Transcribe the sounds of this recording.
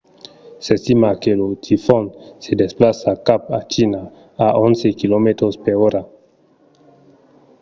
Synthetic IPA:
sest̪imakelot̪ʰifɔnsed̪esplasakapat͡ʃina | aʔonsekilomet̪ɾospeɾoɾa

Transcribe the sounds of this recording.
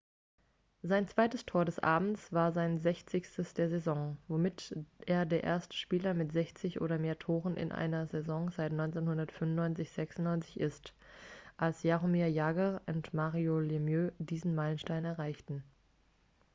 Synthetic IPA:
zaɪnt͡sv̥aɪtəstʰoːɐɾɛsʔa̰ːbm̩t͡sv̥aːɐzaɪnzɛçt͡sɪçstəsd̥eːɐzezɔŋvomɪtʔeːɐdeːɐʔḛːɐstə̥ʃpiːlɐmɪtz̥ɛçt͡sɪçʔo̰ːɾɐmeːɐtʰoːʁənʔɪ̰nʔa̰ɪnɐzezɔŋzaɪtnɔʏnt͡seːnhʊndɐtfʏmnːɔʏnt͡sɪçz̥ɛksʊnnɔʏnt͡sɪ̥çʔɪstʔalsjaʁomiajaːɡɐʔʊntmaːʁiolemjøːdiːzn̩maɪlənʃtaɪnɛɐʁaɪçtn̩

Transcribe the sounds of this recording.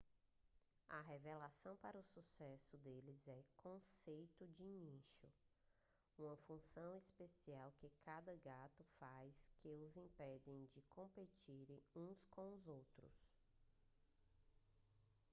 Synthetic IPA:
ɐɦevelasɐ̃w̃paɾɐʊsusɛsʊd̪elɪzɛkʰõsejt̪ʊd͡ʒɪiniʃʊ | ũmɐfũsɐ̃w̃ispesiawkɪkʰad̪ɐɡat̪ʊfajskɪʊzĩpɛd͡ʒẽj̃d͡ʒɪkõmpet͡ʃiɾẽũskõw̃ʊzowt̪ɾʊ̰s

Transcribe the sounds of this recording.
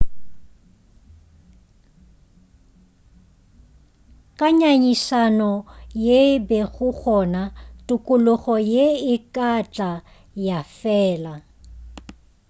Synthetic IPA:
kʼaɲaɲisanɔjebɛɣʊɣʰɔnatʼʊkʼʊlʊɣɔjeɪkʼat͡ɬʼa | jafɛːla

